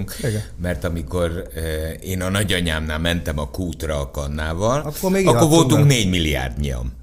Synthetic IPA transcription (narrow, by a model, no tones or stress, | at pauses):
ŋkmɛrt̪ɒmiko̞r | eːnɒnɒɟɒɲaːmnaːlmɛnt̪ɛmɒkuːt̪rɒːkɒnːaːvɒlkːoeɡɒkkːorvolt̪uŋkneːɟmilːia̰ːrd̪ɲiɒ̰m